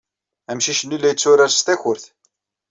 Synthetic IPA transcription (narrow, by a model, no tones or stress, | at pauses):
æmʃiʃənːilːæjət͡sːʊɾaɾst̪æçʊɾθ